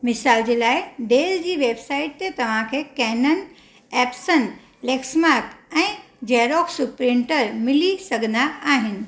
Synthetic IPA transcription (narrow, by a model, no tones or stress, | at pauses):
mɪsaːld͡ʑeːlaːɪɖeːld͡ʑiːʋeːbsaːɪʈ̚t̪et̪ɐʋ̤ãkʰeːkɛːnən | ɛːpsən | leːksmaːɾkɛ̃ː | d͡ʑeːɾoːksupɾɪ̃ɳʈəɾmɪlisɐɡʱənd̪aaːɦɪnɪ̆